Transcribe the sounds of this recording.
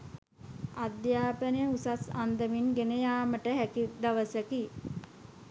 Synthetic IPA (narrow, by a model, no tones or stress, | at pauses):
ad̪jaːpənəjusasand̪əminɡenəjaːməʈəɦækid̪aʋəsəki